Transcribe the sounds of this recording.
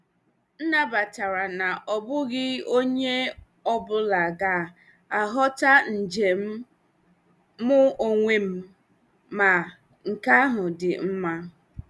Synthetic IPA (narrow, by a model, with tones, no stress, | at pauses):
n̩˦na˦ba˨ta˨ɾa˨na˨ʔɔ˨bʊ˦ɡɪ˦o˦ɲe˦ | ɔ˦bʊ˦la˨ɡa˦˨ | a˨ɦɔ˦ta˦n̩˨d͡ʒe˨m̩˦ | mʊ˦o˨ŋʷe˨m̩˦ | ma˨ | ŋ̩˨ka˦ɦʊ˨dɪ˨m̩˦ma˦